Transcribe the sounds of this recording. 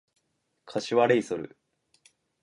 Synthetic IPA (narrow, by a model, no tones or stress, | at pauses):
kʰaɕiβaɾeisoɾɯ̟̰